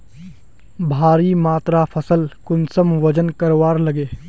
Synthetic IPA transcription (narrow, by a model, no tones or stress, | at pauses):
bʱaːɾimaːt̪ɾapʰəsəlkʊnsəmʋɐd͡ʒənkɐɾwaːɾlɐɡeː